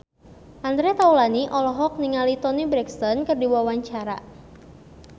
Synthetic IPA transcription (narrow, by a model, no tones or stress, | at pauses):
ʔand̪ɾɛt̪aulaniʔɔlɔɦɔk̚niŋalit̪ɔnibɾɛkst̪ɔnkərdiwawaɲt͡ʃaɾa̰